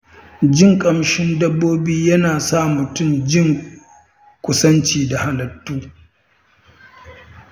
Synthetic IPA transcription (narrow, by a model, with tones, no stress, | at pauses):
d͡ʒɪ˦˨ŋkʼɐ˨mʃɪ˦ndɐ˦bːoː˦biː˦jɐ˦naː˨saː˦˨mʊ˨tʊ˦˨md͡ʒɪ˦˨ŋ | kʷʊ˦sɐ˦nt͡ʃiː˨da˨ha˦lɐ˨tːuː˦